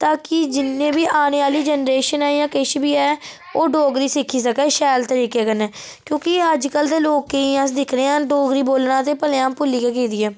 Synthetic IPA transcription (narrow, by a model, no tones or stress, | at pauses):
t̪aːkɪd͡ʒɪnːẽːbiːʔaːñeːaːliːd͡ʒənɾeːʃənɛːjãːkɪʃbiːɛː | oːɖoːɡɾiːsɪkʰːiːs̬əkɛːʃɛːlt̪əɾiːkeːkənɛː | kjõːkɪəd͡ʒkəld̪eːloːkːeiãːs̬d̪ɪkʰɾeːãːɖoːɡɾiːboːlnãːt̪eːpəleãːmpʊlːiːkɛːkiːd̪iːɛː